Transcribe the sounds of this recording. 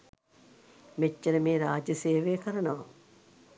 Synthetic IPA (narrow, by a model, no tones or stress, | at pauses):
met͡ʃːeɾəmeːɾaːd͡ʒəseːʋeːkəɾɐnɐʋɐ